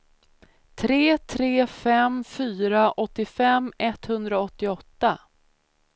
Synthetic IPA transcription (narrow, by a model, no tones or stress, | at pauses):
t̪ʰɾeːt̪ʰɾeːfɛmfyːɾaʔɔt̪ːɪfɛmːɛt̪hɵnd̪ɾaɔt̪ːɪɔt̪ːa